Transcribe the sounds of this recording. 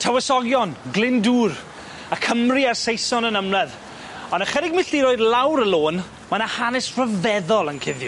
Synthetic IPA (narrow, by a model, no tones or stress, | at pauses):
tʰawɛsɔɡjɔnɡlɪnduːr | akʰəmriarsejsɔnənəmlɛð | ɔnəχɛɾɪɡmɪɬdiɾoːɨdlawɾəlˠoːn | manahanɛsrəvɛðɔlˠənkʰɪðjʊ